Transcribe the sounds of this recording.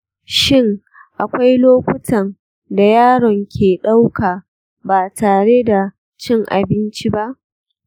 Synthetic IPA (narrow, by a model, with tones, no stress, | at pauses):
ʃɪ˦ŋ | ʔa˨kʷa˦jloː˦kʷʊ˦tɐ˨n | da˨jaː˦ɽɔ˨ŋkʲʰeː˨ɗa˦wkaː˨ | baː˨taː˨ɽe˦da˨ | t͡ʃɪ˦ŋʔa̰˨bɪ˦nt͡ʃi˦ba˦ʔ